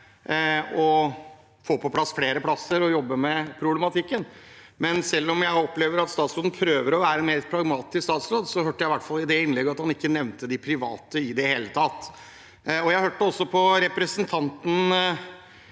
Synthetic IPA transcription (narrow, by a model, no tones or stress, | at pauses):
ɔ | foːpʰɔpʰlɑsːfleːɾəpʰlɑsəɾɔjɔbːəmɛpʰɾʊblɛmɑt̪ʰɪkːən | mɛnsɛlːɔmjæɪɔpːleːʋəɾɑt̪st̪ɑːt̪sɾoːd̪n̩pʰɾøːʋəɾɔʋæːɾəɛnmeːɾpʰɾɑɡmɑːt̪ɪskst̪ɑːt̪sɾoːd̪sɔhøːʈːəjæɪʋæʈfɑlˠɪd̪ɛɪnlɛɡəɑt̪hɑnɪkːənɛʋnt̪əd̪ɪpʰɾɪʋɑ̰ːt̪əɪd̪ɛheːlət̪ʰɑːt̪ː | ɔjæɪhøːʈːəɔsːɔpʰɔɾɛpɾəsənt̪ʰɑnt̪n̩